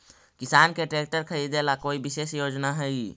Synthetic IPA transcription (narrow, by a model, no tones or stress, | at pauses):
kisankeʈɾek̚ʈəɾkʰəɾid̪elakoibisesjod͡ʒnaɦəj